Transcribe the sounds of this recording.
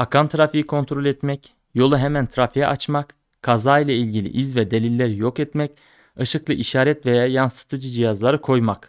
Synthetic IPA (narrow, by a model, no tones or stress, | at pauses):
akʰant̪ʰɾafijikʰo̞nt̪ʰɾo̞lʲɛt̪mɛc | jo̞lˠaɦɛmænt̪ʰɾafijɛ̰ʔat͡ʃmak | kʰːazaːijlʲˠailʲɟilʲḭʔizvɛd̪e̞lʲilʲːæɾijo̞kɛt̪mɛc | ɯʃɯklˠɯʔiʃaːɾɛt̪vejaːjansɯ̥t̪ʰɯd͡ʒɯd͡ʒijazlˠaɾɯkʰo̞jmak